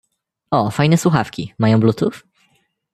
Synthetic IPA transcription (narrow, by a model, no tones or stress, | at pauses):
ɔfajnɛswuxafkʲḭmajɔ̃w̃blut̪uf